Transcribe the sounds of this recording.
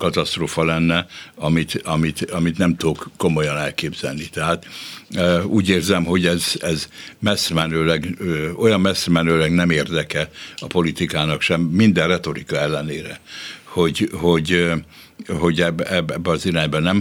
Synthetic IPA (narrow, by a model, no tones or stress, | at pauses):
kɒt̪ɒst̪roːfɒlɛnːɛɒmit̪ɒmit̪ɒmit̪nɛmt̪okkːomo̞jɒnɛlkeːbz̥ɛ̰lnit̪ɛɦaːt̪ː | uːɟeːrzɛmɦo̞ɟɛzɛzmɛsmɛnøːlɛɡøo̞jɒmmɛsmɛnøːlɛɡnɛmeːrd̪ɛkɛɒpo̞lit̪ikaːnɒkʃɛmːind̪ɛrrɛt̪o̞ɾikɒɛlːɛneːɾɛ̰ho̞ɟho̞ɟ | ɦo̞ɟɛbɛbɛbːɛɒziɾaːɲbɒnɛm